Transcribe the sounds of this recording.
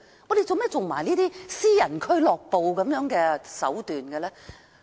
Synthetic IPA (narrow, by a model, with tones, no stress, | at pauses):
ŋɔː˨˧d̪e˨˧jt͡so˨˧wmɛ˥t͡so˨ŋmaː˨˩jniː˥t̪iː˥siː˥jɐ˨˩nkʰɵ˥ɥlɔː˨k̚po˨wkɐ˨˥mjœː˨˥ŋkɛː˧sɐ̰˨˥wt̪yː˨nkɛ˧lɛː˥